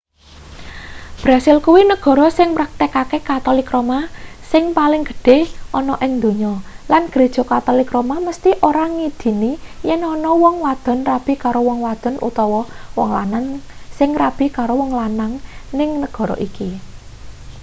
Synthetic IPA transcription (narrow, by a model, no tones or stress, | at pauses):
b̥ɾasɪlkuwinəɡ̥ɔ̤ɾɔsɪŋmɾak̚t̪ekakekat̪ɔlikɾomasɪŋpalɪŋɡə̤̥ɖ̥ehʔɔnɔʔɪŋd̪o̤ɲɔlanɡ̥ɾed̥ʒ̥ɔ̤kat̪ɔlikɾomaməst̪iʔoɾaŋid̪̥i̤nijɛnɔnɔwɔŋwad̪̥ə̤nrab̥i̤kaɾowɔŋwad̪̥ə̤nʔṵt̪ɔwɔwɔŋla̰nansɪŋrab̥i̤kaɾowɔŋlanaŋnɪŋnəɡ̥ɔ̤ɾɔ̰ʔiki